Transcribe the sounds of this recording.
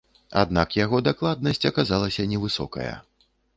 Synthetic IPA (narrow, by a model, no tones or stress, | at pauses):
a̰d̪nakjaɣɔd̪aklˠad̪̚nɐsʲt͡sʲɐkazalˠɐsʲɐnʲɛvɨsɔ̰kɐ̰jɐ̰